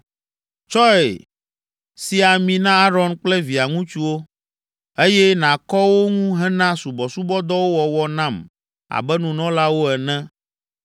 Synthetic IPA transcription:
t͡ʃɔ˦ḛ˨ | si˨a˨mĩ˨nã˦a˦ɾɔ˦nk͡plɛ˦vi˨a˨ŋũ˦t͡ʃu˦wo˦ | e˦jɛ˦nã˨kɔ˦wo˦ŋũ˦ɦɛ̃˦nã˦su˨bɔ˨su˦bɔ˦d̪ɔ˦wo˦wɔ˨wɔ˨nã˦˨m | a̰˨bɛ˦nũ˨nɔ̃˦la˦wo˦ɛ˨nɛ̃˦

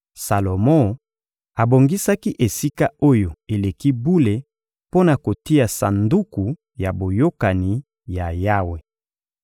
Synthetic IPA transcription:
sa˨lo˨mɔ̃˦ | a˨bo˨ŋɡi˦sa˦ki˦ʔe˨si˦ka˦o˦jo˨e˨le˨ki˦bu˦le˨ | po˦na˨ko˨ti˦ja˨sa̰˨ndu˦ku˨ | ja˨bo˨jo˦ka˨ni˨ | ja˨ja˦we˨

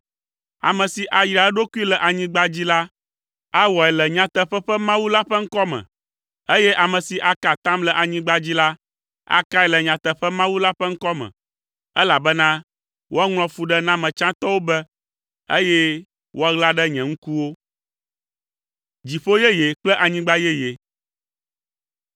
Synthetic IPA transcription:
a̰˨mɛ̃˨si˨ʔa˨jɾa˨˦ɛ˦ɖo˦ku˦i˦lɛ˨ʔa˨ɲĩ˦ɡ͡ba˦d͡ʑi˦la˦ | a˦wɔ˨ɛ˨lɛ˨ɲã˨t̪ɛ˨ɸɛ˦ɸɛ˦mã˦wu˦la˦ɸɛ˦ŋ̩˦kɔ˦mɛ̰̃˨ | e˦jɛ˦ʔa˨mɛ̃˨si˨ʔa˨ka˨t̪ã˦mlɛ˨ʔa˨ɲĩ˦ɡ͡ba˦d͡ʑi˦la˦ | a̰˨ka˦ɛ˨lɛ˨ɲã˨t̪ə˨ɸɛ˦mã˦wu˦la˦ɸɛ˦ŋ̩˦kɔ˦mɛ̰̃˨ | ɛ˦la˨bɛ˦nã˦ | wo˦a˦ŋl̃ɔ̃˨fu˨ɖɛ˦nã˦mɛ̃˨t͡ʃã˦t̪ɔ˦wo˦bɛ˦ | e˦jɛ˦ | wʔo˦a˦ɣla˦ɖɛ˦ɲɛ̃˨ŋ̩˦ku˦wo˦ | d͡ʑi˨ɸo˦jɛ˦je˨k͡plɛ˦ʔa˨ɲĩ˦ɡ͡ba˦jɛ˦je˨

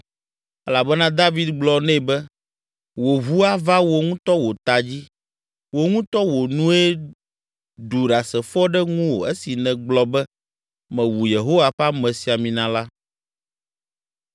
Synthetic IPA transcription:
ɛ˦la˨bɛ˦nã˦d̪a˦vi˨˦d̪ɡ͡blɔ˨nɛ̃˦˨bɛ˦ | wo˨ɦu˦a˦va˦wo˨ŋũ˦t̪ɔ˦wo˨t̪a˨d͡ʑi˦ | wo˨ŋũ˦t̪ɔ˦wo˨nũ˦e˦ | d̪u˨ɖa˨sɛ˨fɔ˦ɖɛ˦ŋũ˦wo˨e˦si˨nɛ̃˨ɡ͡blɔ˨bɛ˦ | mɛ̃˨wu˨je˨ɦo˦wa˨ɸa˦mɛ̃˨si˨a˨mĩ˨nã˨la˦

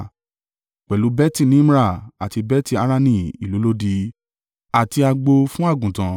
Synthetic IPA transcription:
k͡pɛ˨lu˨˦bɛ˦ti˦˧˨nĩ˨˦m˦ɾa˦˨a˨ti˧bɛ˦ti˦˧a˦ɾa˦˧nĩ˧˨i˨lu˨˦lo˦di˧ | a˨ti˧a˧ɡ͡bo˧fũ˦a˦˨ɡũ˨tã˨

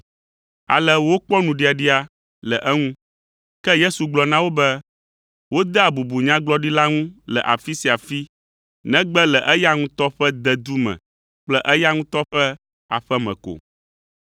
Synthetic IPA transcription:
a̰˨lɛ˦wo˦k͡pɔ˦nũ˨ɖi˨a˨ɖi˦a˨ | lɛ˨ʔɛ˦ŋũ˦ | kɛ˦je˦su˨ɡ͡blɔ˨nã˦wo˦bɛ˦ | wo˦d̪ɛ˦a˨bu˨bu˨ɲã˦ɡ͡blɔ˦ɖi˦la˦ŋũ˦lɛ˨ʔa̰˨fi˦si˨a˨fi˦ | nɛ̃˦ɡ͡bɛ˦lɛ˨ʔɛ˦ja˦ŋũ˦t̪ɔ˦ɸɛ˦d̪ɛ˨d̪u˦mɛ̰̃˨ | k͡plɛ˦ʔɛ˦ja˦ŋũ˦t̪ɔ˦ɸɛ˦ | a̰˨ɸɛ˦mɛ̰̃˨ko̰˨

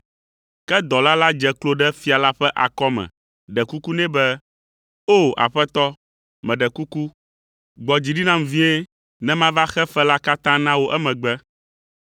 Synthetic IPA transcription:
kɛ˦d̪ɔ˨la˦la˦d͡ʒɛ˨klo˦ɖɛ˦fi˦a˨la˦ɸɛ˦ʔa˨kɔ˦mɛ̰̃˨ | ɖɛ˨ku˦ku˦nɛ̃˦bɛ˦ | o˦˨a̰˨ɸɛ˦t̪ɔ˦ | mɛ̃˨ɖɛ˨ku˦ku˦ | ɡ͡bɔ˨d͡ʑi˨ɖi˦nã˦m˨vĩ˦e˦ | nɛ̃˦mã˦va˦xɛ˦fɛ˦la˦ka˦t̪ã˦nã˦wo˦ʔɛ˦mɛ̃˨ɡ͡bɛ˦

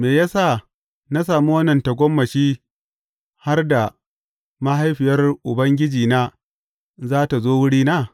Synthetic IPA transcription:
meː˨ja˦sa˦˨ | na˦s̬aː˨mu˦wɐ˦nɐ˨ntɐ˨ɡʷɔ˦mːɐ˨ʃiː˦ | ha˦rda˨ | ma˦ɦa˦jɸɪ˨jɐ˦rʔʊ˨bɐ˦ŋɡʲɪ˦d͡ʒiː˨naː˦ | zaː˦ta˨zoː˦wʊ˦ɽiː˦naː˦˨

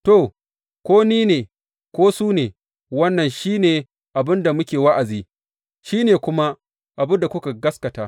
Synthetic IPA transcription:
to˨ | kʷoː˦niː˦neː˨ | kʷoː˦suː˦neː˨ | wɐ˦nːɐ˨nʃiː˦neː˨ | ʔa˨bɪ˦nda˨mʊ˦kʲeː˨wa˦ʔa˨ziː˦˨ | ʃiː˦neː˨kʷʊ˦ma˦ | ʔa˨bʊ˦nda˨kʷʊ˦ka˨ɡɐ˦skɐ˨taː˦

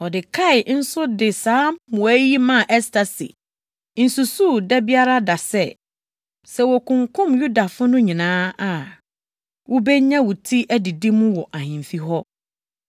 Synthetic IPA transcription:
ɔ˨dɪ˨kʰa˦˨ɪ˨n̩˦sʊ˦dɪ˨sãː˨˦mʊ̃˨æ˦ji˦mã˦˨ʔɛ˦stʰa˨sḭ˨ | n̩˨su˨su˦˨dɛ˦bi˦a˦ɾa˦da˨sɛ̰˦ | sɛ˦wɔ˨kʰʊ̃˨ŋkʰʊ̃˦mju˦da˨fʊ˦nʊ̃˦ɲĩ˨nãː˦a˨ | wʔʊ˦bɛ˦ɲã˦wʊ˨tʰi˦ʔæ˦di˨di˦mũ˦wɔ˨ʔa˨hɪ̃˨m̩˨fi˦ɦɔ˦

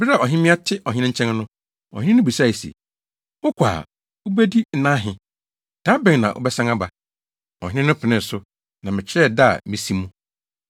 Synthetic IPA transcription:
bɪ˦ɾa˨ɔ˨ɦɪ̃˦mɪ̃˦a˦tʰɪ˦ʔɔ˨ɦɪ̃˦ɪ̃˦ɲ̩˦t͡ɕʰɛ̃˦nnʊ̃˦ | ɔ̰˨hɪ̃˦ɪ̃˦nʊ̃˦bi˨sa˦˨i˨sḛ˨ | ʊ˦kʷʰa̰ː˨ | ʊ˦bɛ˦di˦n̩˦nã˦ɦɪ̃˨ | d̥ã˦bɛ̃˨ŋ˨nã˨ʔʊ̰˦bɛ˦sã˦ŋa˦ba˨ | ɔ̰˨hɪ̃˦ɪ̃˦nʊ̃˦pʰɪ˨nɪ̃˦n˨sʊ˦ | nã˨mɪ̃˨t͡ɕʰɪ˦ɾɛ˦˨da̰˦˨mĩ˨si˦mũ˦

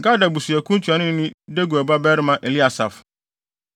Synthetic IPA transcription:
ka˦da˨bu˨su˨ɛ˨kʰũ˦n˦t͡ɕʰu˨a˨˦nɪ̃˦nɪ̃˦de˦ɡu˨ɛ˨ba˦bɛː˦ɾɪ˦mã˨ʔe˨li˦a˨sa̰˨f

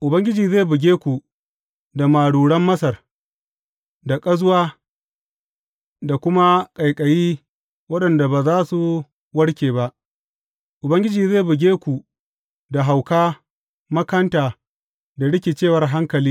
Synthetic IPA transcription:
ʔʊ˨bɐ˦ŋɡʲɪ˦d͡ʒiː˨ze˦˨bʊ˨ɡʲeː˦kʷu˨ | da˨maː˨ɽuː˨ɽɐ˦mːɐ˦sɐ˨r | da˨kʼɐ˦zʊ˦waː˦ | da˨kʷʊ˦ma˦kʼɐ˨jkʼɐ˨jiː˦ | wɐ˦ɗɐ˨nda˨baː˨zaː˦su˨ | wɐ˦ɽkʲeː˨ba˦ʔ | ʔʊ˨bɐ˦ŋɡʲɪ˦d͡ʒiː˨zeː˦˨bʊ˨ɡʲeː˦kʷu˨ | da˨ɦa˨wkaː˦ | mɐ˦kɐ˦ntaː˨ | da˨ɽɪ˦kʲe˨t͡ʃeː˦˨wɐ˨rɦa˦ŋkɐ˨liː˦

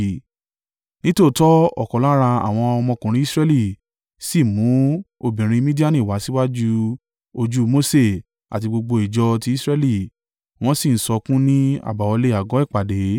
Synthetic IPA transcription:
nĩ˦to˦˨˦tɔ˦ɔ˦˨kɔ˨la˦ɾ̃ã˧a̰˨w̃ɔ̃˧ɔ˧mɔ̃˧kũ˨ɾĩ˧˦i˦sɾɛ˦li˦˨ | si˦˨mũ˨˦o˧bĩ˨ɾ̃ĩ˧mĩ˦di˦a˦˨nĩ˨wa˨˦si˦wa˦d͡ʒu˦˧ | o˧d͡ʒu˦mo˦se˦˨ | a̰˨t̬i˧ɡ͡bo˧ɡ͡bo˧i˨d͡ʒɔ˧ti˧˦i˦sɾɛ˦li˦˨ | w̃ɔ̃˦si˦˨n̩˨sɔ˧kũ˦nĩ˦a̰˦˨ba˨wɔ˧le˦˨a˨ɡɔ˨˦i˦˨k͡pa˨de˨˦

